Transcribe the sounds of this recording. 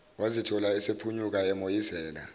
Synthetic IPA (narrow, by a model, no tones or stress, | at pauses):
wazitʰɔlaɛsepʰuɲuk̬ʼaɛmojisɛːla̰